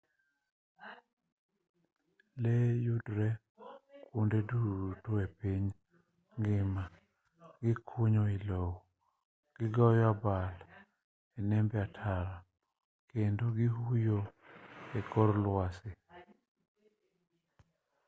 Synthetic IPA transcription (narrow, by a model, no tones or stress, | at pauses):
lejudɾɛ | kundedutoepiɲ | ŋɡɪma | ɡɪkʰuɲoilow | ɡ̥ɪɡɔjabal | enɛmbɛatʰaɾa | kendoɡɪɦujo | ekɔɾlwasɪ